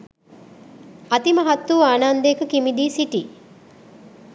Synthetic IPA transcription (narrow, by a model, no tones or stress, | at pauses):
at̪imɐɦat̪ːuːaːnaːnd̪əekəkimid̪iːsiʈi